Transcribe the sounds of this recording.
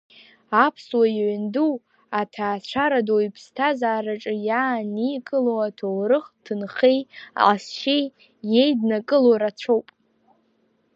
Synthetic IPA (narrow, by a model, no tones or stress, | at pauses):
apʰswajʕʷndu | atʰaːt͡ɕʷʰaɾadoipʰstʰazaːraʈ͡ʂʼɨjaːnikʼɨlowatʰowɾɨχtʰɨnχe̞ja̰ʔasʃej | je̞jdnakʼɨloɾat͡ɕʷʰowpʼ